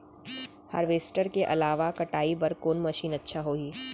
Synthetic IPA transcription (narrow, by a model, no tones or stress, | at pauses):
ha̰ːɾʋeːsʈəɾkeʔɐ̰laːʋakɐʈaːibɐɾkoːnmɐʃiːnɐtːʃʰaɦoːiː